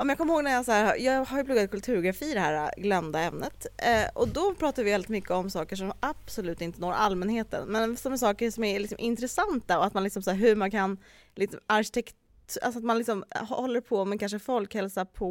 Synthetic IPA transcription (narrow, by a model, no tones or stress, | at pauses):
ɔmɛmjɑːkʰɔmːəhoːɡnæɾjasaæːɾhajɑːɡhaɾjɵplɵɡːad̪̚kʰɵlt̪ʰʉ̟ɾɡɾafiːd̪ɛɦæːɾa̰ɡlœmd̪aɛmnə̰t̪ɔ̰d̪ɔpʰɾɑːt̪aɾvɪvɛlɪt̪mʏkːəɔmsɑːkəʂɔmab̥sɔlʉ̟ːt̪ɪnt̪ənoːɾʔalmɛnheːt̪ə̰nmɛnsɔmæʂɑːkəʂɔmæɾlɪksɔmʔɪnt̪ɾɛsant̪aɔat̪manlɪksɔmsæːɾɦɵmankʰan | lɪksɔmaɾɕɪ̥t̪ʰɛktʰ | a̰lsɔat̪manlɪksɔmhɔɔlːəɾpʰɔmɛnkʰanʂəfɔlkhɛlsapʰɔ